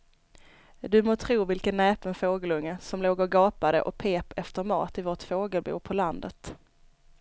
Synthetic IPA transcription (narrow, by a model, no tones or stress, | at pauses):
d̪ɵmoːt̪ʰɾuːvɪlkənːɛːpənfoːɡəlɵŋːəsɔmloːɡɔɡɑːpad̪əʔɔ̰pʰeːpɛft̪əɾmɑ̰ːt̪ɪvoːʈfoːɡəlbṵːpʰɔland̪ə̰t̪